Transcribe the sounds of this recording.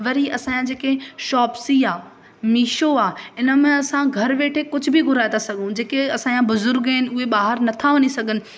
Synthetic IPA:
ʋɐɾiɐsãːjãd͡ʑeːkeʃɔːpsiaː | miːʃoaːɪnə̆mẽɐsãɡʱɐɾʋeːʈʰekʊd͡ʑʱʊbʱiɡʱʊɾaːet̪ʰasɐɡʱũd͡ʑeːkeɐsãjãbʊzʊɾɡɐɪnɪ̆ʊɦeɓaːɦəɾnɐt̪ʰaʋɐɲisɐɡʱənɪ̆

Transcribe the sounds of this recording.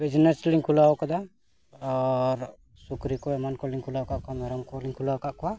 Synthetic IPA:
bid͡ʒnesliŋkʰulawokɔd̪a | ɔɾ | sukɾikoɛmankoliŋkʰulakaʔkamɛɾɔmkoliŋkʰulawkaʔkɔwa

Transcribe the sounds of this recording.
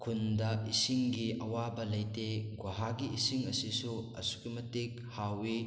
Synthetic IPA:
kʰundɐisiŋɡiɐwabɐlɐjteɡwaɦaɡiisiŋɐsisuɐ̰su̥kimɐtik | hawi

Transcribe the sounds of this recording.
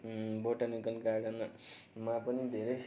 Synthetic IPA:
boʈanikʌnkaɽʌnmapʌnid̪ʱeɾejs

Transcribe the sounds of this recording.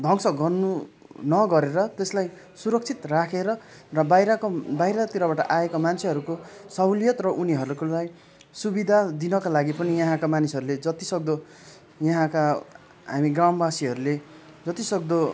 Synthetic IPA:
d̪ʱʌŋsʌɡʌrnu | nʌɡʌɾeɾʌt̪eslaj | suɾʌk̚t͡sʰit̪rakʰeɾʌrʌbajɾʌkbajɾʌt̪iɾʌbaʈʌʔaekamant͡sʰeɦʌɾukosʌwlijʌt̪rʌʔuniɦʌɾuukolaj | subid̪ʱad̪inʌkalaɡipʌnijʌɦãkamanisɦʌɾuled͡zʌt̪isʌk̚d̪o | jʌɦãka | ɦamiɡrambasiɦʌɾule | d͡zʌt̪isʌk̚d̪o

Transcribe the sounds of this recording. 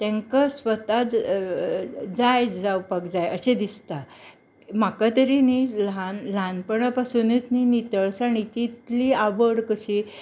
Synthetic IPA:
t̪ɛ̃ŋkasʋət̪a | d͡zajd͡zaupəkd͡zajəɕed̪ist̪a | makat̪əɾinilanlanpəɳəpasunit͡sninit̪əɭsaɽ̃it͡ɕit̪liaʋəɽkəɕi

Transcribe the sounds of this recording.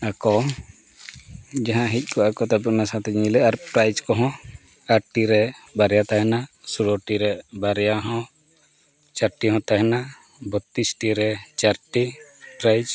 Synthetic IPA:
akɔ | d͡ʒaɦãɦic̚ˀkʰɔakɔt̪apɔʔnasat̪ɛd͡ʒlɛaɾpɾajd͡ʒkɔɦɔ̃ | aɾʈiɾɛbaɾɛjat̪aɦɛnasuɾɔʈiɾɛbaɾɛjaɦɔ̃ | t͡ʃaɾʈiɦɔ̃t̪aɦɛna | bɔt̪ːisʈiɾɛt͡ʃaɾʈipɾajd͡ʒ

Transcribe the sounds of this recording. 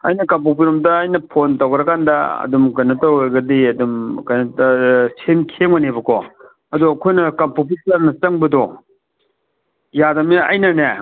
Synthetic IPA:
ɐ̰jnɐkɐmpupiɾomdɐːjnɐpʰontɐwkɾɐkandɐ̰ɐ̰dumkɐjnɐtaweɡɐdiɐdumkɐjnɐtɐsemkʰeŋwanebɐkʰɔ | ɐduɐkʰojnɐkɐmpop̬ilaɾnɐt͡ʃɐŋbɐdɔ | jadɐmiɐ̰jnɐne

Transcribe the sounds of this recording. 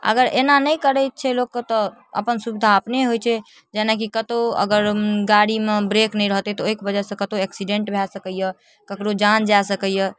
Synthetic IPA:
ə̰ɡəɾḛnanəikəɾət̚t͡ʃʰɛlokkːt̪ɔ | ə̰pənsubd̪ʱaəpneɦojt͡ʃʰɛ | d͡ʒɛnakikət̪oə̰ɡəɾɡaɽimebɾeknəĩɾəɦt̪et̪ɔoikbəd͡ʒəsə̃kət̪oɛksiɖẽɳʈbʱɛsəkəjə | kəkɽod͡ʒand͡ʒaesəkəjə

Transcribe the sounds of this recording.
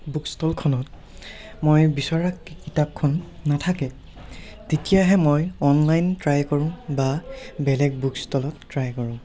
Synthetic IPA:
bukstʰɔlkʰɔnɔt | mojbisɔɹakːikitap̚kʰɔnːatʰakɛ | tetijaɦɛmojɔnlajntɹajkɔɹʊ̃babɛlɛɡ̚bukstɔlɔtːɹajkɔɹʊ̃

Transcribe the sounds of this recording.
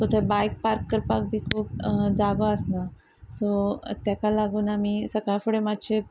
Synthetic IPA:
sot̪ʰebajk̚paɾkːəɾpak̚bʱiːkʰuːp̚d͡zaɡoəsna | sot̪jakalaɡuːnamisəkajfuɽemad̪ɕʰe

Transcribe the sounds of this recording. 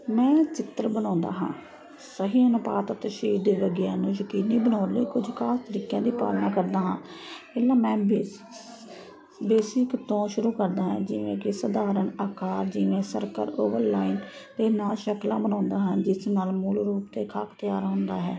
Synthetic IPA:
mɛ̃ːt͡ʃɪt̪ɾbənãːnd̪a̰ːɦã̰ː | səɦiːənʊpa̰ːt̪ət̪əʃiːd̪eːʋəɡjaːnũːjəkiːnːiːbənaːɾləiːkʊd͡ʒʱkʰaːst̪əɾiːkjãːd̪iːpa̰ːlnaːkəɾd̪aːɦãː | pɛːlãːmɛ̃ːbː | beːsɪkt̪õːʃʊɾuːkəɾd̪aːɦɛ̰̃ːd͡ʒɪʋḛ̃ːkesəd̪aːɾəɳaːkaːɾd͡ʒɪʋẽːsə̰ɾkə̰ɾoːʋəɾlaːint̪eːnãːʃəklãːbənãːnd̪aːɦãːd͡ʒɪsnaːlmuːlɾuːpt̪eːkʰa̰ːkt̪əjaːɾɦʊ̃nd̪aːɦɛ̰ː

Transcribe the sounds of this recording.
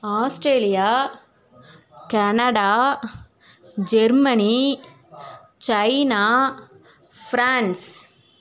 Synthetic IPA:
aːsʈɾeːlijaː | kɐnɐɽaː | d͡ʒɛɾmɐni | t͡ʃɐɪnaː | fɾaːɳs

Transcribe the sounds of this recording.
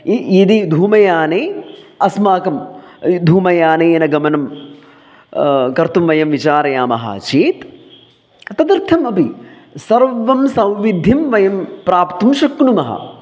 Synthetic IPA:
iid̪id̪ʱuːmɐjaːneːɐsmaːkɐmd̪ʱuːmɐjaːneːɐnɐɡɐmɐnɐm | kɐɾt̪umʋɐjɐmʋit͡ʃaːɾɐjaːmɐ̰ɦa̰ːt͡ʃeːt̪ | ɐt̪ɐd̪ɐɾt̪ʰɐmɐpisɐɾʋɐmsɐ̃w̃ʋid̪ʱːimʋɐjɐmpɾaːpt̪umʃɐkɳumɐɦɐ̰

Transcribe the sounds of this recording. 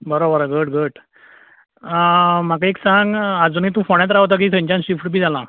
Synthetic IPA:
bəɾobəɾoɡəʈɡəʈ | m̤akaeksãŋɡad͡zuniːt̪ũfoɽ̃jat̪̬ɾaɦot̪̬ak̬iːt̪ʰãɲt͡ɕãnɕifʈbʱiːd͡zalã

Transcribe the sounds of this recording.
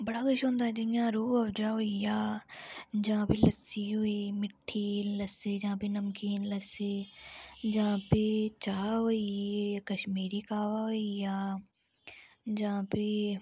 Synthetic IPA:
bɐɽaːkʊʃɦõːnd̪aːd͡ʒɐijãːɾuːɐʋd͡ʒaːɦʊijaː | d͡ʒɐãːpelɐsiɦʊiːmɪʈʰːiːləsed͡ʒãːpenɐmkiːnlɐseː | d͡ʒɐãːpet͡ʃaːɦʊiekəʃmiːɾiːkaːʋaɦoijaː | d͡ʒɐãːpe

